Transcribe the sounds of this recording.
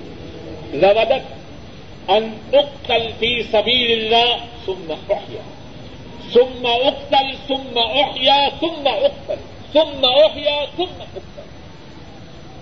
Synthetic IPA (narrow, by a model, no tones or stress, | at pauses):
ðabad̪at̪ | ʔanʔʊq̚t̪alfiːsabiːlɪlːaːhθʊmːaʔʊħja̰ː | θʊmːaʔʊqt̪alθʊmːaʔʊħjaːθʊmːaʔʊq̚t̪al | θʊmːaʔʊħjaːθʊmːaʔʊq̚t̪al